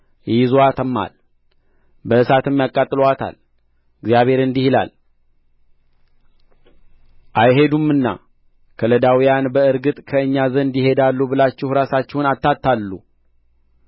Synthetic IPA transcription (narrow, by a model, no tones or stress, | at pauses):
jjɪzoat̪ʰəmːa̰l | bəɨsat̪əmjakʼːat̪ʼːɨloat̪ʰa̰l | ɨɡzjaβhe̞ɾɨnd̪ihila̰l | ʔajɦe̞d̪umːɨnːa̰ | kʰələd̪awijanbəɨɾɡɨt̪ʼkʰəɨɲːazənɨnd̪ihe̞d̪alːubɨlat͡ʃːɛhɾasat͡ʃːɛwnat̪ːat̪ʰːalːṵ